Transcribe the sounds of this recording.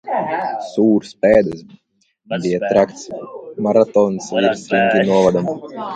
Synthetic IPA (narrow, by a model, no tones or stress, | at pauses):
suːɾspɛːd̪ɨs | bijat̪ɾakt̪smaɾat̪ɔnsvʲiɾsɾiŋʲt̪ʲinuɔvad̪am